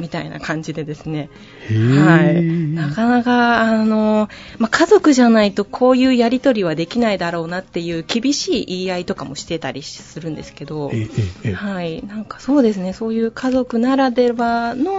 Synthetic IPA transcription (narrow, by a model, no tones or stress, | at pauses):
mʲit̪ainʔa̰kãɲ̟d͡ʑid̪e̞d̪e̞sɨne̞ | hainakanakaːno̞makʰazo̞kɯ̟ʑanait̪o̞kʰo̞ːjɯ̟ːjaɾʲit̪o̞ɾʲiβ̞ad̪e̞kʲinaid̪aɾo̞ːnat̪ːe̞jɯ̟ːkʲibʲiɕiːʔiait̪o̞kamo̞ɕi̥t̪e̞t̪aɾʲisɨɾɯ̟̃nd̪e̞sɨ̥ke̞d̪o̞ | hainãŋkḁso̞ːd̪e̞sɨne̞so̞ːjɯ̟ːkʰazo̞kɯ̟naɾad̪e̞bano̞